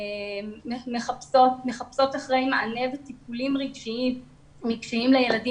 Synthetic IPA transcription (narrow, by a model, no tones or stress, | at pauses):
emeχapsotmeχapso̞taχʁe̞jmaʔanevetipulimʁiɡʃiim | ʁiɡʃiimlejeladi